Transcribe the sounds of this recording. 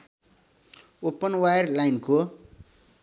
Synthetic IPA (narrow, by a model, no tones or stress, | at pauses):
opːʌnwajrlajnko